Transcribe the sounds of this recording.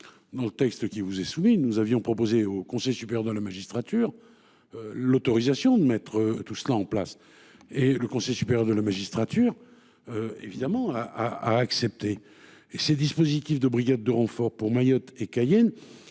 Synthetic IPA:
d̪ɑ̃lət̪ɛkst̪əkʲivuzɛsuminuzavjɔ̃pχɔpozeokɔ̃sɛjsypeʁjœʁd̪əlamaʒist̪χat̪yʁ | lot̪ɔʁizasjɔ̃d̪əmɛt̪χət̪uslaɑ̃plas | eləkɔ̃sɛjsy̥peʁjœʁd̪əlamaʒist̪χat̪yʁ | øḛvid̪amɑ̃aʔaa̰ːksɛp̚t̪eː | sed̪ispozit̪ifd̪əbʁiɡad̪̚ːəʁɑ̃fɔʁpuʁmajɔt̪ekajɛn

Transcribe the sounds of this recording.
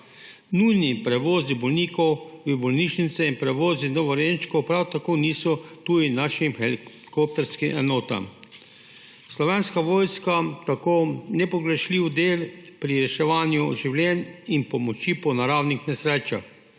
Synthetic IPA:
nujnipɾɛʋoːzibɔlniːkɔwʋibɔlniːʃnit̪sɛinpɾɛʋoːzinɔʋɔɾent͡ʃkɔwpɾawt̪akoniːsɔt̪ujinaʃimxɛli | kop̚t̪ɛɾskimʔɛ̰nɔːt̪a̰m | slɔʋɛːnskaʋoːjskat̪akoːnɛpɔɡɾɛʃliːwd̪eːlpɾiɾɛʃɛʋaːnjuʒiwlʲjɛninpɔmɔt͡ʃipɔnaɾaːwnixnɛsɾeːt͡ʃa̰x

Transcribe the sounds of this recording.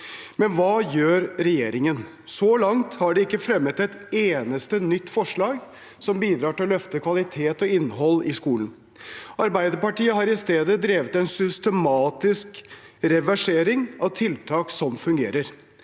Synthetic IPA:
mɛnʋɑːjøːɾɾɛjeːɾɪŋən | sɔlɑŋt̪hɑɖɛɪkːəfɾɛmːət̪ɛt̪eːnəst̪ənʏt̪ːfɔʂɭɑːɡ | sɔmbiːd̪ɾɑːʈɪlɔlœft̪əkʰʋɑlɪt̪ʰeːt̪ɔɪnːɦɔlːɪskuːlən̩ | ɑɾbæɪd̪əɾpɑʈiːəɦɑɾɪst̪eːd̪əd̪ɾeːʋət̪ɛnsʏst̪əmɑːt̪ɪskɾɛʋæʂeːɾɪŋɑʋt̪ʰɪlt̪ʰɑːksɔmfʉŋɡḛːɾəɾ

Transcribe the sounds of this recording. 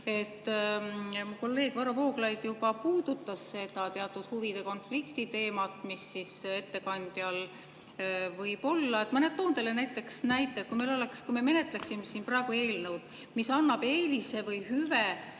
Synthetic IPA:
e̞t̪ːˑ | muko̞lːe̞ːɡ̥vɑɾɑpo̞ːɡlɑjd̪̥jub̥ɑpuːd̪̥ut̪ːˑɑsːe̞d̪̥ɑt̪eɑt̪ːˑud̪̥huvid̪̥e̞ko̞nflikt̪it̪e̞ːmɑt̪ˑmisːise̞t̪ːe̞kɑnd̪̥jɑl | vɤjb̥o̞lːɑe̞t̪ːˑmɤnet̪o̞ːnd̪̥elenæjt̪ˑːe̞ksnæjt̪ˑːet̪̚kujme̞lo̞le̞kskujmeme̞ne̞t̪ˑleksimesiːnprɑe̞ɡ̥ue̞ːlnewd̪̥ | misɑnːɑb̥eːlise̞vɯjhyve

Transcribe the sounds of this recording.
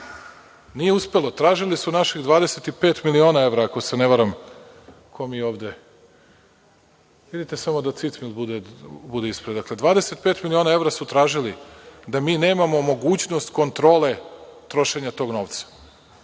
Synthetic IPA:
nije̞uspe̞lˠo̞t̪ɾaːʒilisunaʃiɣd̪ʋaːd̪e̞set̪ipeːt̪milio̞ːnae̞ʋɾaːko̞se̞neʋaɾam | kʰo̞mio̞ːʋd̪e̞ | ʋid̪it̪esamo̞d̪at̪sit̪smilbud̪ebud̪e̞ispɾed̪akle̞d̪ʋaːd̪e̞se̞t̪pet̪milio̞nae̞ʋɾasut̪ɾaːʒilid̪amiːne̞ːmamo̞mo̞ɡuːt͡ɕno̞st̪ko̞nt̪ɾo̞ːle̞t̪ɾo̞ʃe̞ɲat̪o̞ɡno̞ːʋt̪sḁ

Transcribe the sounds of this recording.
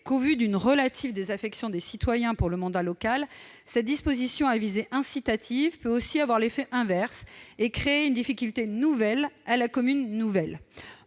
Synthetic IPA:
kovyd̪ynʁəlat̪ʰivd̪ezafɛksjɔ̃d̪esit̪wajɛ̃puʁləmɑ̃d̪alɔkal | sɛt̪̚d̪ispozisjɔ̃avizeʔɛ̃sit̪at̪ʰivpøosiavwaʁlefɛʔɛ̃vɛʁsekχeːynd̪ifikʲylt̪enuvɛlalakɔmynːuvɛl

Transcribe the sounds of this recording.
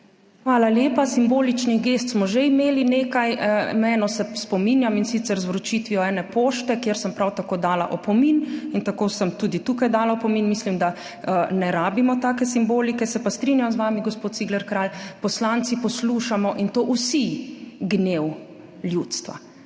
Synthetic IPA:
xʋaːlaljeːpasimboːlit͡ʃniɡest̪smɔʒeimeːlineːkajmɛːnɔsɛspɔminjaminsit̪sɛɾzʋɾɔt͡ʃit̪ʋiɔɛːnɛpoːʃt̪ɛkjeɾsəmpɾawt̪akoːd̪aːla̰ʔɔpɔminint̪akoːsəmt̪uːd̪it̪uːkajd̪aːlaɔpɔminmislimd̪a | ənɛɾaːbimɔt̪aːkɛsimboːlikɛsɛpast̪ɾinjamzʋaːmiɡɔspoːt̪siːɡlɛɾkɾaːlpɔslant̪sipɔsluːʃamɔʔint̪oːʔusiɡnew | ljuːt̪st̪ʋa̰

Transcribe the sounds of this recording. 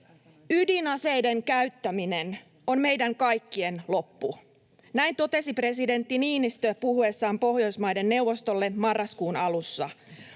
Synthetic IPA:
ydinɑse̞jde̞ŋkæyt̪ːæmine̞n | o̞nme̞jdæŋkɑjkːie̞nlo̞pːu | næint̪o̞t̪e̞sipre̞side̞nt̪ːiniːnist̪øpuhue̞sːɑːmpo̞hjo̞jsmɑjde̞nːe̞wʋo̞st̪o̞lːe̞mɑrːɑskuːnɑlusːɑ̰

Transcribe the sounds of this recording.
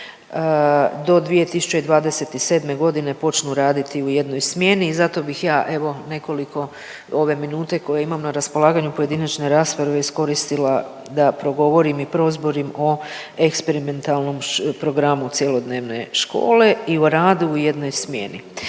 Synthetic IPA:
d̪o̞d̪ʋije̞t̪isu̥t͡ʃeid̪ʋaːd̪e̞se̞t̪ise̞ːd̪me̞ɡo̞d̪ine̞po̞t͡ʃnuɾaːd̪it̪iuje̞d̪no̞jsmje̞niːzat̪o̞bixjaːʔe̞ʋo̞ne̞ko̞likʰo̞ | o̞ʋe̞minuːt̪e̞ko̞jeimamnaɾaspo̞lˠaːɡaɲupoje̞d̪inat͡ʃne̞ɾaːsfeɾʋeisko̞ɾist̪ila | d̪apɾo̞ɡo̞ʋo̞ɾimipɾo̞zboɾimo̞ | ekspe̞ɾime̞nt̪alˠno̞mpɾo̞ɡɾamut̪sjelˠo̞d̪ne̞ːʋne̞̰ʃko̞̰ːle̞ioɾaːd̪uuje̞d̪no̞jsmje̞̰nḭ

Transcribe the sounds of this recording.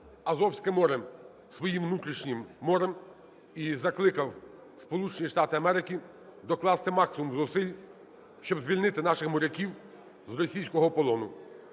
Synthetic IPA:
ɐzɔwsʲkɪmɔɾɛ | sʋɔjimwnut̪ɾʲiʃnʲɪmːɔɾɛm | izɐklˠɪkɐw | spɔlˠut͡ʃenʲiʃt̪ɑt̪ɪɐmɛɾɪkʲi | d̪ɔklˠɑst̪ɪmɑksɪmumzɔsɪlʲ | ʃt͡ʃɔbzʲʋʲilʲnɪt̪ɪnɑʃɪxmɔɾʲɐkʲiw | zrɔsʲijsʲkɔɦɔpɔlˠɔnʊ

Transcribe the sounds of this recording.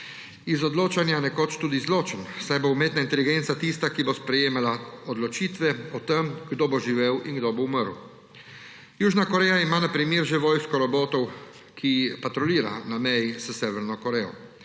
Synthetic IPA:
izɔd̪loːt͡ʃanjanɛkoːt͡ʃt̪uːd̪izloːt͡ʃənsajboumeːt̪naint̪ɛliɡeːnt̪sat̪ist̪akibospɾɛjeːmalaɔd̪lɔt͡ʃiːt̪ʋɛɔt̪ɛmɡd̪oːboʒiʋeːwinɡd̪obouməɾw | juːʒnakɔɾɛːjaimaːnapɾimjeːɾʒeʋɔːjskɔɾɔboːt̪ɔw | kʰipat̪ɾɔliːɾa̰namɛjisəsɛːʋɛɾnɔkɔɾɛːjɔ̰

